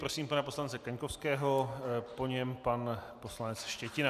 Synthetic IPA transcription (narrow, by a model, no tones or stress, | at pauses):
pɾosiːmpanapo̞slant͡sɛkaɲkofskɛːɦopo̞ɲɛmpanposlanɛt͡sʃcɛcɪna